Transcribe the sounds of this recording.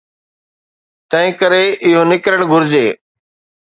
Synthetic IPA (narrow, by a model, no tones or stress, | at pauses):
t̪ə̃ɦĩːkəɾeːʔɪɦoːnɪkɾəɳ̃ɡʱʊɾd͡ʑeː